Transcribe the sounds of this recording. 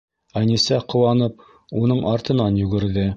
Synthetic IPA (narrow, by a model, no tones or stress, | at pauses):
ænisæqŏwɑnɤp̚ | unɤɴʔɑɾt̪ɤ̆nɑnjʉɡɘ̆ɾðɘ